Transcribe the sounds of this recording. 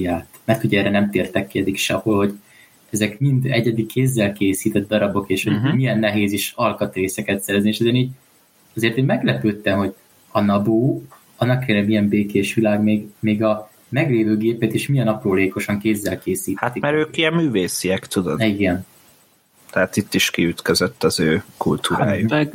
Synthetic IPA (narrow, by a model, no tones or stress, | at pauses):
jaːt̪mɛrt̪uɟɛːɾɛnɛmt̪eːrt̪ɛkːiɛd̪ikʃɛ̰holho̞ɟ | ɛzɛkmind̪ɛɟɛd̪ikʰːeːzːɛlkeːsiːt̪ɛd̪̚d̪ɒɾɒbo̞keːʃhoɟmijɛnːɛɦeːziʃɒlkɒt̪reːsɛkɛt̪sɛɾɛznieːʃɒzeːniːɟ | ɒzeːrt̪eːmmɛɡlɛpøːt̪ːɛmho̞ɟ | ɒnɒboː | ɒnːɒkːɛɾɛmijɛmbeːkeːʃʋilaːɡmeːɡmeːɡɒ | mɛɡleːvøːɡeːpɛt̪eːʃmijɛnɒproːleːko̞ʃɒŋkeːzːɛlkeːsiːhat̪mɛɾøːkiɛmmːyːveːsiɛkt̪ud̪o̰d̪iɡɛn | t̪ɛɦat̪it̪ːiʃkiyt̪køzøt̪ːɒzøːkult̪ʰuːɾa̰ːji